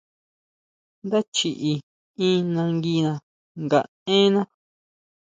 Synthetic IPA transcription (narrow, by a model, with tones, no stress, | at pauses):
nd̪a˦t͡ʃi˨ʔi˧ | ĩ˦nã˧ŋɡi˧nã˧ | ŋɡa˨ | ẽ˦nã˦